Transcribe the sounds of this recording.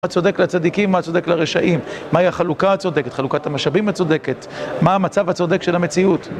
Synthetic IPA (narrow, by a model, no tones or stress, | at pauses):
at͡so̞d̪e̞klat͡sad̪ikimːat͡so̞d̪eklaʁeʃaʔimːaiaχalukaat͡so̞d̪eket̪χalukatamaʃabimat͡sod̪e̞ket̪ | maːmat͡savhat͡sod̪e̞kʃelamet͡siut